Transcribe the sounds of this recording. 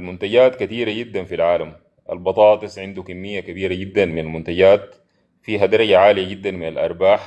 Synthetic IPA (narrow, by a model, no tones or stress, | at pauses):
lmʊnt̪aɟaːt̪kat̪iːɾaɟid̪ːanfilʕaːlam | ʔa̰lbɑt̪ˤɑːt̪ˤɨsˤʕɪnd̪ukamːijːakabiːɾaɟid̪ːanminalmʊnt̪aɟaːt̪̚ | fiːɦad̪ɑɾˤɑɟaʕaːlijaɟid̪ːanminalʔɑ̰ɾˤbaːħ